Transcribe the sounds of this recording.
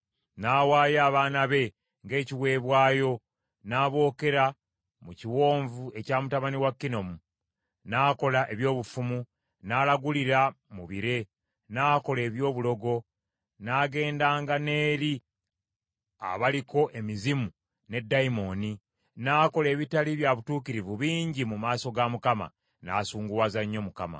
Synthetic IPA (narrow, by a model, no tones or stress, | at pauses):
naːwaːjaːβaːnaβe̞ | ŋɡe̞ːciwe̞ːβwaːjo̞ | naːβo̞ːke̞ɾa | muciwo̞ːɱvue̞caːmutaβaniwakːino̞mu | naːko̞laʔe̞βjo̞ːβufumu | naːlaɡuliɾa | muβiɾe̞ | naːko̞le̞ːβjo̞ːβulo̞ɡo̞ | naːɡe̞ːndaːŋɡane̞ːɾi | a̰βaliko̞ʔe̞mizimu | ne̞dːaimo̞ni | naːko̞le̞ːβitaliβjaβutuːkiɾivuβiːɲɟimumaːso̞ɡamukama̰ | na̰ːsuːŋɡuwazaɲːo̞mukama̰